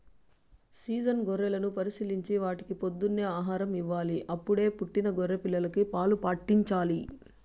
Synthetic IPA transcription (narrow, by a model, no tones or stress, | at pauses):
siːd͡ʒɐnɡɔɾːɛlɐnupɐɾisiliɲt͡ʃiʋaːʈi̥kipod̪ːunːeːaːɦaːɾɐmiʋːaːliʔɐpːuɽe̞ːpuʈːinɐɡɔɾːepilːɐlɐkipaːlupaːʈːiɲt͡ʃaːli